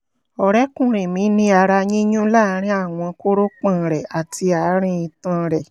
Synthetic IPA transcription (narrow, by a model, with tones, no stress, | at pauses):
ɔ˨ɾɛ˦kũ˦˨ɾ̃ẽ˨mĩ˨˦nĩ˧˦a˧ɾa˧ɲĩ˦ɲũ˦la˦˨˧ɾ̃ĩ˦a˦˨w̃ɔ̃˧ko˦ɾo˦k͡pã˦˨ɾɛ˨a˨tʰi˧a˨˦ɾ̃ĩ˧ĩ˧tã˧˨˧ɾɛ˨